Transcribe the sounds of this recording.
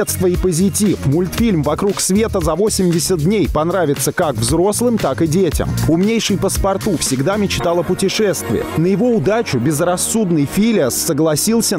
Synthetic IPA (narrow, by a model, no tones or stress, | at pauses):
t̪st̪vəipəzʲɪtʲifmʊlʲt̪fʲilʲmvɐkɾuksvʲe̞t̪əzɐvo̞sʲɪmʲdʲɪsʲət̪̚dʲnʲejpɐnɾavʲɪt̪səkakvzɾo̞slˠɨmt̪akɨdʲetʲɪ̰mʊmnʲejʂɨjpəspɐrt̪ufsʲɪɡd̪amʲɪt͡ɕt̪alˠəpʊtʲɪʂɛst̪vʲɪ̰jə̰nəjɪvo̞ʊd̪at͡ɕʊbʲɪzrɐsːud̪nɨjfʲilʲəsːəɡlˠɐsʲilˠsʲə